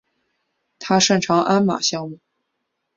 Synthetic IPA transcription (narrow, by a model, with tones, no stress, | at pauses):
t̪ʰa˥ʂə˥˩nʈ͡ʂʰɑ˧˥ŋʔa˥nma̰˨˩ɕjɑ˥˧ŋmu˥˩